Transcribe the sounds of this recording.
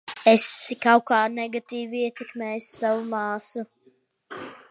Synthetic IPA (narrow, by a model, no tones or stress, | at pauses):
est̪sikawkaːnɛɡat̪iːviiɛt̪ɛkmɛːjussavumɑːsu